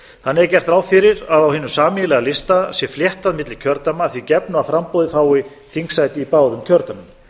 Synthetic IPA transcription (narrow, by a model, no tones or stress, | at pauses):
θanːɪɛɾcɛr̥t̪ɾaːwfɪɾɪɾaðawhɪːnʏmsaːmɪjlɛɣalɪst̪asjɛfljɛht̪aðmɪt̪lɪcʰœɾt̪amaθvicɛpnʏafɾampowðɪfaːwɪ | θiŋksaːjt̪ɪipaːwðʏmcʰœɾt̪amʏm